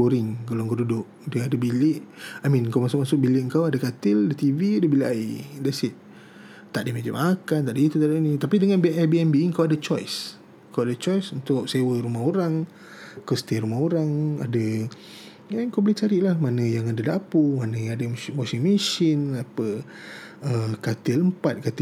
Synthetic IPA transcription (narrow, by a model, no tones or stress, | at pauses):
oɾɪŋkaloŋkoʔdudʊʔ | dəadəbilɪʔamĩnŋkawmasʊk̚masʊk̚bilɪʔəŋkawadakat̪ɪladat̪iviadəbilʔaidasiʔ̚ | t̪aʔdimad͡ʒəmakant̪aʔdəit̪ut̪aʔdinit̪apidəŋanbʔɛbiɛnbiŋkawadat͡ʃɔjs | əŋkawadat͡ʃɔjsunt̪ʊk̚sewəɾumaɦoɾaŋ | kəst̪iɾumaɦoɾaŋa̰də | aŋkawbəlit͡ʃaɾiʔlahmanəjaŋadadapumanajaŋadəmmosinmiʃɪnapə | əkat̪ɪləmpat̪̚kat̪ɪ